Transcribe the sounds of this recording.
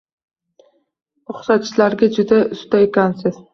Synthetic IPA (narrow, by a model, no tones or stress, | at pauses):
ʊχsat̪̚t͡ʃʰɪlaɾɡʲad͡ʒʊd̪aʊst̪aekʲansɪz̥